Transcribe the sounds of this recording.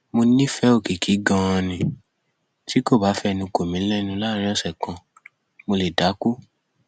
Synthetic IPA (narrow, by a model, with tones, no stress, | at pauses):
mo˧nĩ˦fɛ˨˦o˦˨ki˨kʰi˨˦ɡã˧ã˧nĩ˧ | tʰi˨˦ko˦˨ba˨˦fɛ˦˧nũ˧ko˨mĩ˨˦lɛ˦˧nũ˧˦la˦ɾ̃ĩ˦ɔ˦˨sɛ˨kã˧ | mo˧le˨da˨˦ku˦